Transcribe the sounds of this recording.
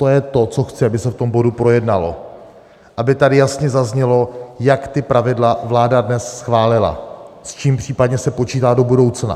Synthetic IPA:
t̪ojɛt̪o̞t͡so̞xt͡sɪabɪsɛft̪o̞mbo̞dupɾo̞jɛdnalo̞̰ | ʔabɪt̪adɪjasɲɛzazɲɛlo̞jakt̪ɪpɾavɪdlavlaːdadnɛsːxvaːlɪla̰ | st͡ʃiːmpr̝̥iːpadɲɛsɛpo̞t͡ʃiːt̪aːdo̞budo̞wt͡sna̰

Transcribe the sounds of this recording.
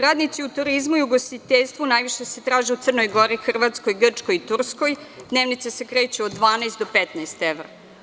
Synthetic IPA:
ɾaːd̪nit̪siut̪uɾizmuiuɡost̪it̪eʎʲst̪ʋunajʋiʃese̞t̪ɾaːʒeut̪ər̩no̞jɡo̞ɾixr̩ʋat̪sko̞jɡr̩t͡ʂkojit̪ursko̞jd̪neːʋnit̪sese̞kɾe̞ːt͡ɕuod̪ːʋaːnajst̪d̪opet̪najst̪eʋɾa̰

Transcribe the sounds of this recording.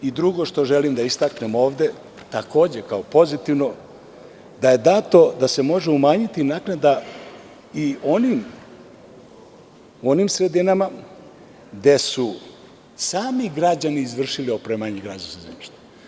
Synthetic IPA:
id̪ɾuɡo̞ʃt̪o̞ʒe̞limd̪aist̪aknemo̞ːʋd̪e̞ | t̪ako̞ːd͡ʑekaopo̞zit̪iʋno̞ | d̪aje̞d̪at̪o̞d̪ase̞mo̞ʒeumaːɲit̪inaknad̪a | io̞nim | uonimsɾe̞d̪inama | d̪e̞su | saːmiɡɾad͡ʑaniːzʋr̩ʃiliopɾemaɲeɡɾaːd͡ʑansazemiʃt̪e̥

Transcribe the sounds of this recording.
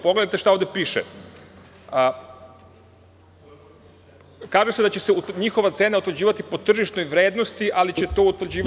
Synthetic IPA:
poɡled̪ait̪eʃt̪aoʋd̪epiːʃḛ | kaːʒesed̪at͡ɕe̞seut̪ɲixo̞ʋat̪seːnaut̪ʋɾrd͡ʑiːʋat̪ipo̞t̪r̩ʒiʃt̪no̞jʋɾe̞ːd̪no̞st̪iʔalit͡ɕe̞t̪o̞ːut̪ʋrd͡ʑiː

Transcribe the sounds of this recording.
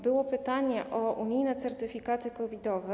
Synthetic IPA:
bɘwɔpɘt̪aɲɛʔɔʔuɲijnɛt̪sɛɾt̪ɘfʲikat̪ɘkɔvʲid̪ɔvɛ

